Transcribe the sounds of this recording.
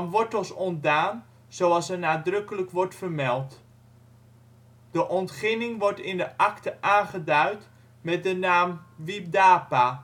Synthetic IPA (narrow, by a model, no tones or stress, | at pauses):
mʋɔɹtɔsɔntdaːn | z̥owɑlˠsənaːdrɵkələkʋɔɹtfərmɛlˠt | d̥əʔɔntχɪnɪŋʋɔɹtɪndəʔɑktəʔaːnχədœɥt | mɛt̚dənaːmʋip̚daːpa